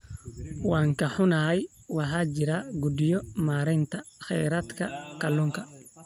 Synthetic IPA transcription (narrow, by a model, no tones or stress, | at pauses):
wɑːŋkʰɐħʊnɐɦɛj | wɑħɑːt͡ʃɪɾaɡud̪ɪjɔmaːɾɛjnt̪ʰɐχɛjɾaːd̪kʰɐkʰɐlːuːŋkʰɐ